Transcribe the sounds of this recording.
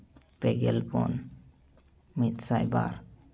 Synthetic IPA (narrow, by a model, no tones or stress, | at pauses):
pɛɡɛlbɔ̰n | mit̪sajba̰ɾ